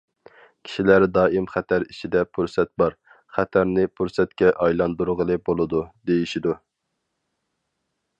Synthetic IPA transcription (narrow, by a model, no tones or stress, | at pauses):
kʲʰi̥ʃilæɾd̪ɑːimχæt̪ʰæɾit͡ʃʰid̪ɛpʰuɾsɛt̪̚bɑɾ | χæt̪ʰæɾnɪpʰuɾsɛt̪kʲɛʔɑjlˠɑnd̪uɾʁəlˠɨbolˠɨd̪ud̪ejiʃid̪u